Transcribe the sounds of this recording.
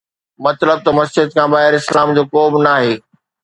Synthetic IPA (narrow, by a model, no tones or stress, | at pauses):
mɐt̪ləb̚t̪ɐmɐsd͡ʑɪd̪̚kʰãbaːɦɪɾɪslaːmd͡ʑoːkoːbnaːɦeː